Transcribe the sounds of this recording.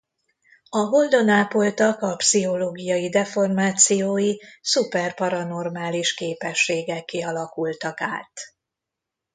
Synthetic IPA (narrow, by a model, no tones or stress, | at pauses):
ɒɦo̞ld̪o̞naːpo̞lt̪ɒkɒpsiɦo̞loːɡijɒjid̪ɛfo̞rmaːt̪sijoːjisupɛrpɒɾɒno̞rmaːliʃkeːpɛʃːeːɡɛkːiɒlɒkult̪ɒkaːt̪